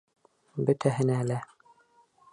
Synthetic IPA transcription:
bɵ̆t̪ʰæɦɘ̆næːlæ

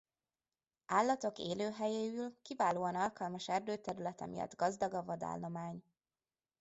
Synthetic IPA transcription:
aːlːɒt̪o̞kḛːløːɦɛjeːylkivaːloːɒnɒlkɒlmɒʃɛrd̪øːt̪ɛɾylɛt̪ɛ̰mijɒ̰d̪ɡɒzd̪ɒɡɒvɒd̪a̰ːlnomaːɲ

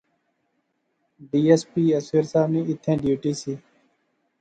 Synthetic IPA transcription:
ɖiːeːspiːəseːɾsaːʋnĩːɪt̪ʰẽːɖjuːʈiːsiː

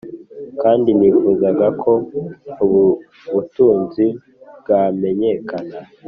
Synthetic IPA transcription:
kaːndiniːfuːzaɡakʰo̞uβu | βutuːnzi | bɡame̞ɲe̞kana

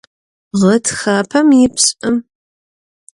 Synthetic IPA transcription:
ʁətʰxaːpʰɐmjɪpɕʼɨm

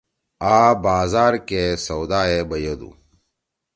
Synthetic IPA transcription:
aːbaːzaːɾkesɐwd̪aːebɐjɐd̪ṵ

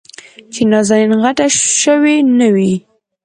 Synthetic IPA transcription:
t͡ʃenɑzalinɣaʈaʃəwenəwi

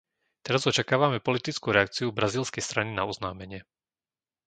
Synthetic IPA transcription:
t̪ɛɾazɔt͡ʃakaːʋamɛpɔlit̪it͡skuːɾɛak̚t͡siubɾaziːlskɛjst̪ɾaninaɔznaːmɛɲɪɛ

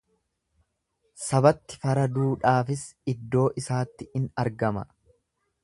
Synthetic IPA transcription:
sɐbɐt̪ːɪ̥fɐɾɐd̪uːᶑaːfɪsɪd̪ːo̞ːʔɪsaːt̪ːɪɪnɐɾɡɐmɐ̰

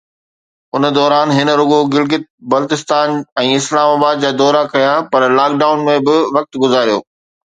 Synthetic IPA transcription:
ʊn̆d̪ɔːɾaːnɦɪnə̆ɾʊɠoɡɪlɡɪt̪̚bɐlt̪ɪst̪aːnɛ̃ːɪslaːmaːbaːd̪̚d͡ʑaːd̪ɔːɾakɐjapɐɾlaːkɖaːʊnmẽbɪʋɐk̚t̪ɡʊzaːɾijoː

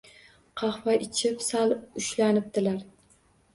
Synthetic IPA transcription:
qʰɑχvaʔɪt͡ʃʰɪpsalʊʃlanɪp̚d̪̥ɪlaɾ

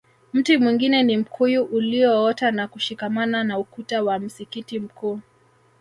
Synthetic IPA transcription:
m̩timwiŋɡinɛnim̩kʰujuʔuliɔɔtanakuʃikamananaukutawam̩sikitim̩kuː

